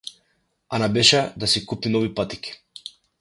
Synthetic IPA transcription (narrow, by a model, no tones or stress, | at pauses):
anabɛʃɛd̪asikupninɔvipat̪i̥ki̥